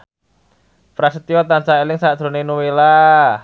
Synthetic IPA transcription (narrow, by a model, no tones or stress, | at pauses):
pɾasit̪iɔt̪ant͡ʃaelɪŋsaʔd̥ʒ̥ɾo̤nenuwela